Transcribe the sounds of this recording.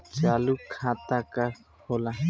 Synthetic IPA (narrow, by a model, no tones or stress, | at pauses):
t͡ʃalukʰat̪aka | hola